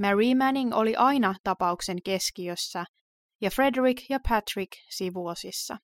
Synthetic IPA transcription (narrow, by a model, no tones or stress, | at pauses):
mæɹiːmæniŋo̞liʔɑjnɑt̪ɑpɑukse̞ŋke̞skiøsːæ | jɑfre̞drikjɑpʰæt̪riksiʋuosisːɑ̰